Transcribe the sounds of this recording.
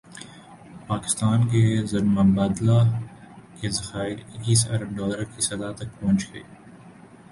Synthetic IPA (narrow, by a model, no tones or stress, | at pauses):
paːkɪ̥st̪aːnk̬ezɐɾmɐbaːd̪la | kezɐxaːɪɾɪkːiːsɐ̰ɾəb̚ɖɔːləɾkisɐzaːt̪ɐk̚pɔ̃ːnt͡ʃɡḛː